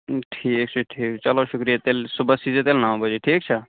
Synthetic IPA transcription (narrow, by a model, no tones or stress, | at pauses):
ʈʰiːk̚t͡ʃʰɐʈʰiːkt͡ʃɐloʃʊkɾijat̪elsubəsizet̪elnãːw̃bəd͡ʒeʈʰiːk̚t͡ʃʰə